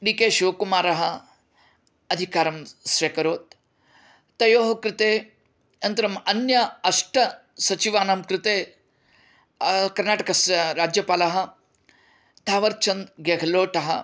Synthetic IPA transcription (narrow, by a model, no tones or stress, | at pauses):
ɖikeːʃiʋɐkumaːɾɐɦɐ̆ | ɐd̪ʱikaːɾɐmsʋekɐɾoːt̪̚ː | ɐjoːɦɐkɾɪt̪eː | ɐnt̪ɐɾɐmɐnjɐɐʂʈɐ | sɐt͡ʃiʋaːnamkɾɪt̪eː | kɐɾnaːʈɐkɐsɾaːd͡ʒjɐpaːlɐɦɐ | t̪ʰaːʋɐɾt͡ʃʰɐnd̪ɡeɡʱɐloːʈɐɦɐ̰